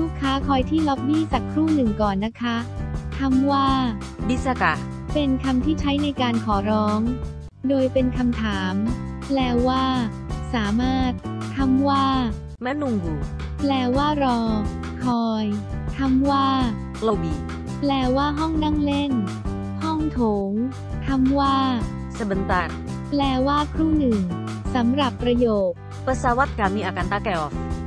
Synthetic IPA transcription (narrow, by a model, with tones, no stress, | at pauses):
luː˥˩kʰːaː˦˥kʰɔː˧jt̪ʰiː˥˩lɔ˦˥p̚niː˥˩t͡ɕaː˨˩kʰɾuː˥˩nɯ˨˩ŋkɔː˨˩nːa˦˥kʰa˦˥t̪ʰa˧mwaː˥˩ | bi˦˥sa˧ka˨˩ | pe˧nkʰa˧mt̪ʰiː˥˩t͡ɕʰa˦˥jna˧jkaː˧nkʰɔː˩˦ɾɔː˦˥ŋ | doː˧jpe˧nkʰa˧mt̪ʰaː˩˦m | plɛː˧waː˥˩ | saː˩˦maː˥˩t̪̚ʰːa˧mwaː˥˩ | mɛ˦˥nu˧ŋjuː˨˩ | plɛː˨˩waː˥˩ɾɔː˧ | kʰɔː˧j | t̪ʰa˧mwaː˥˩ | lo˧wbiː˨˩ | plɛː˨˩waː˥˩ɦɔ˥˩ŋna˥˩ŋle˥˩n | hɔ˥˩ŋt̪ʰoː˨˩˦ŋ | t̪ʰa˧mwaː˥˩ | sa˧˩ba˨˧˦nt̪aː˧˩n | plɛː˨˩waː˥˩kʰɾu˥˩ŋnɯ˨˩ŋ | sa˩˦mɾa˨˩pːɾa˧joː˨˩k̚ | pa˧saː˧wa˦˥t̪̚kaː˨˩miː˧ʔaː˧ka˧nt̪aː˦˧˩kɛ˧ʔɔ˨˩k̚